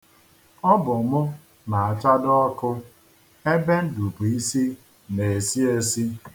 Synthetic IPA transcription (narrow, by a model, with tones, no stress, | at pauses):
ɔ˦bʊ˨mʊ˦ | na˨a˨t͡ʃa˦dɔ˦ɔ˦kʊ˦ | e˦be˦n̩˦du˨pu˨i˦si˦ | ne˨si˦e˦si˦